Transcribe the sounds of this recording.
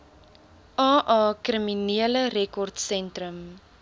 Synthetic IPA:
ʔɑːʔɑːkriminiələɾɛkɔrtsɛntrəm

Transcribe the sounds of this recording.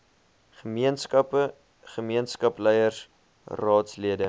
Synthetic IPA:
χəmiənskɐpə | χəmiənskɐplɛjərs | rɑːtsliədə

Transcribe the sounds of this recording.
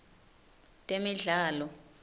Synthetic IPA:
tʼemiɮaːlɔ

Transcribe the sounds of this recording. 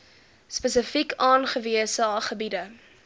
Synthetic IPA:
spəsəfikɑːnχəviəsɑːχəbidə

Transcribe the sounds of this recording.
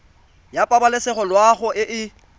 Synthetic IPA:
japʼabalɪsɛχɔlwaχʊʔɪʔɪ

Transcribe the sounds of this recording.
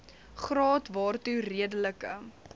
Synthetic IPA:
χrɑːtvɑːrturiədələkə

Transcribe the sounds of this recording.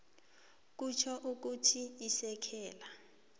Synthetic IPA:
k̬ut͡ʃʰɔʔuk̬utʰiisɛkʰɛːla

